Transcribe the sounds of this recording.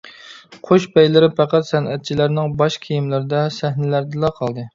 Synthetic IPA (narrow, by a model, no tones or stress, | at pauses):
qʰoʃbɛjlɪɾɪpʰæqæt̪sɛnɛt̪̚t͡ʃʰilæɾnɪŋbɑʃkʲʰijimlɪɾɪd̪ɛsæhnɪlæɾd̪ɨlˠɑqʰɑlˠd̪ɨ